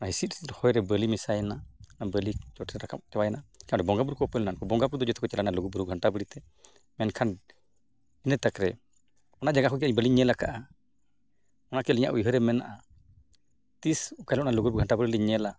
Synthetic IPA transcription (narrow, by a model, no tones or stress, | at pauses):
ɔnaɦisit̪hɔjɾɛbəlimisajɛnanabəlit͡ʃɔʈʰɛɾakam̚t͡ʃɛwajnakʰanɾɛbɔŋɡabuɾukɔpɛlɛnankɔbɔŋɡabuɾud̪ɔd͡ʒɔt̪ʰɛkɔt͡ʃɛlanaluɡubuɾuɡʱaɳʈabəɽit̪ɛ | mɛnkʰan | inət̪akɾɛ | ɔnad͡ʒaɡakɔkiaɲbəliɲɛlakaʔa | ɔnakɛliɲa̰ʔujɦəɾɛmɛnaʔa | t̪isɔkalɔʔnaluɡuɾbuɡʱaɳʈabəɾilɛɲɛla